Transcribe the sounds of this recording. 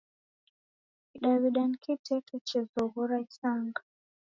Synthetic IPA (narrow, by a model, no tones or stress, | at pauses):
iɗaβiɗankʰitʰɛkɛt͡ʃɛzɔɣuɾaisaŋɡa